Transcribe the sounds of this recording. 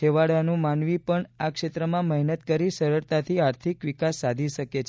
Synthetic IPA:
eʋaɽanũmanʋipəɳakʃet̪ɾəmãməɦnət̪kəɾisəɾəɾt̪at̪ʰiaɾt̪ʰikʋikasːad̪ʱiʃəket͡ʃʰ

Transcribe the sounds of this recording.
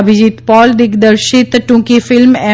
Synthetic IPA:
bʱid͡ʑit̪pɔːld̪ɪkd̪əɾʃɪt̪ʈũkefɪlmɛː

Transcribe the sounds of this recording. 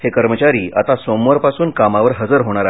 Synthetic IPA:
hekəɾmət͡ɕaɾiːʔa̰t̪asomʋəɾpasuːnkamaʋəɾɦəd͡zəɾɦoɽ̃aɾa

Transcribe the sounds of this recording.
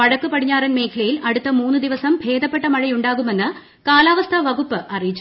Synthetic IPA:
pɐɻɐkːupɐɽiɲːaːrɐnme̞ːkʰɐlɐjilɐɽut̪ːɐmuːnːɨd̪iʋɐsɐmbʱe̞ːd̪ɐpːe̞ʈːɐmɐɻɐjuɳɖaːɣume̞nːɨ | kaːlaːʋɐst̪ʰɐʋɐɣupːɨʔɐrijit͡ɕː

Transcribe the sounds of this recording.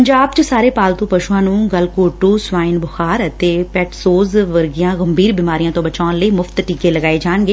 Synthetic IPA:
əɲd͡ʒaːbt͡ʃəsaːɾeːpaːlt̪ũːpəʃuãːnũːɡəlkoːʈuːsʊʋaːɪnbʊxaːɾət̪eːpɛːʈsoːzʋəɾɡɪjãːɣəmbʱiːɾbiːmaːɾijãːt̪õːbət͡ʃaːnləiːmʊft̪ʈiːkeːləɡaːeːd͡ʒaːɳɡeː

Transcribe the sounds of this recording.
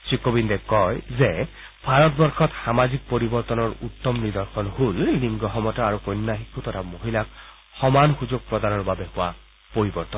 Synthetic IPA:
sikobindɛkɔjzɛ | bʱaɹɔt̪bɔɹxɔt̪samazik̚poɹibɔɹt̪ɔnɔɹut̪ːɔmnid̪ɔɹxʰɔnhulnimɡɔɦɔmɔtaaɹukɔjnːaɦikut̪ɔtʰamoɦilak̚ | xɔmanxuzuɡ̚pɹɔd̪anɔɹbabɛhʊwa | poɹibɔɹt̪ɔn

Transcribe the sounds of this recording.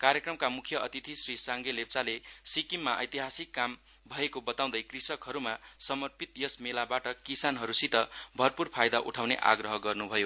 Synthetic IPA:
kaɾjʌkrʌmkamukʰjʌʔʌt̪it̪ʰisrisaŋɡelep̚t͡salesikimːaʔʌ̰jt̪iɦasikːam | bʱʌekobʌt̪aw̃d̪ʌjkrisʌkɦʌɾumasʌmʌrpit̪jʌsmelabaʈʌkisanɦʌɾusit̪ʌbʱʌrpurpʰajd̪aʔṵʈʰawnḛʔa̰ɡrʌɦʌɡʌrnubʱʌjo

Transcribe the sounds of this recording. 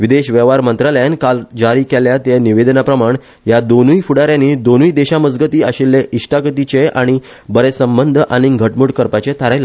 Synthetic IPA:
ʋid̪eɕʋɛʋaɾmənt̪ɾaləjankald͡ʑaɾiːkeljat̪eniʋed̪ənapɾəmaɳ | jad̪onujfuɽaɾjãniːd̪onujd̪eɕaməd͡zɡət̪iːaɕilːeʔiʂʈakət̪it͡ɕeaɽ̃i | bəɾesəmbənd̪ʱʔaɽ̃iɡʱəʈmuɽkəɾpat͡ɕet̪ʰaɾajla

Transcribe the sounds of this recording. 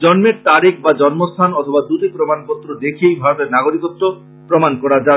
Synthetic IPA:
d͡ʒɔnmeɾt̪aɾikʰbad͡ʑɔnmost̪ʰanɔt̪ʰobad̪uʈepɾomanpɔt̪ːɾod̪ekʰiejbʱaɾot̪eɾnaɡoɾikɔt̪ːo | pɾɔmankɔɾad͡ʑa

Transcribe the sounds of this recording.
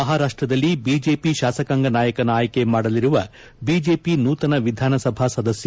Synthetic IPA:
ɐɦaːɾaːʂʈɾɐd̪ɐlːibiːd͡ʒeːpiʃaːsɐkaŋɡɐnaːjɐkɐnaːjɐke̞maːɽɐliɾuʋɐ̰ | biːd͡ʒe̞ːpinuːt̪ɐnɐʋid̪ʱaːnɐsɐbʱasɐd̪ɐsj

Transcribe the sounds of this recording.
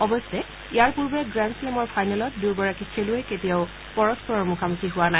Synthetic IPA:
ɔbɔstɛ | ijaɹpuɹbɛɡɹanslemɔɹpʰajnalɔt̚duɹɡɔɹakikʰelueketiaʊ | pɔɹɔspɔɹɔɹmukʰamutʰiɦʊwana

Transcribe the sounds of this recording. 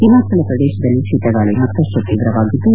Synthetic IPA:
ɦimaːsɐlɐpɾɐd̪ɛːʃɐd̪ɐlːiʃiːt̪ɐɡaːɭiɦɐt̪ːɐʃɐk̪iːʋɾɐʋaːɡid̪ːu

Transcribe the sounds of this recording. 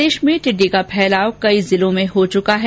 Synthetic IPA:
eːʃmẽʈɪɖːikapʰɛːlaːwkɐizɪlõmẽɦot͡ʃʊkaɦɛ

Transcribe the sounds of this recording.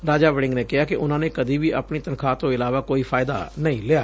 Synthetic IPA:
ɾaːd͡ʒaːʋɛɖɪŋɡneːkɪɦaːkɪʔʊnãːneːkəd̪iːʋiːʔa̰ːpɳiːt̪ənkʰaːt̪õːɪlaːʋaːkoːiːpʰaːɪd̪a̰ːnəĩːleaː

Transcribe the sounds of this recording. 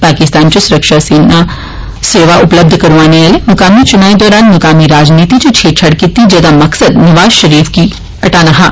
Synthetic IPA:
paːkɪst̪aːnt͡ʃesʊɾəkʃaseːna | seːʋaʔʊpləb̚d̪ʱkɐɾʋaːneʋaːlemʊkaːmit͡ʃʊnaːed̪ɔːɾaːnmɐkaːmiɾaːd͡ʒniːt̪it͡ʃot͡ʃʰeːt͡ʃʰɐɽkɪt̪ːid͡ʒɛːd̪amɐksəd̪nɐʋaːzʃɐɾiːfki | ɐʈaːnaɦa̰ː

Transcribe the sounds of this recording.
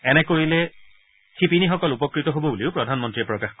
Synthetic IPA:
ɛnɛkoɹilɛ | kipinixɔkɔlupɔkɹitɔɦobɔbuliʊpɹɔdʱanmɔntɹiɛpɹɔkaxk

